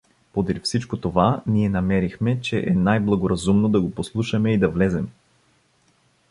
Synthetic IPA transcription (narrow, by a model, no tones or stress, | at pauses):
pod̪ɾifsit͡ʃkot̪ovaniɛnɐmɛɾixmɛt͡ʃɛʔɛnajblˠɐɡoɾɐzumnod̪ɐɡoposlˠuʃɐmɛid̪ɐvlɛzɛm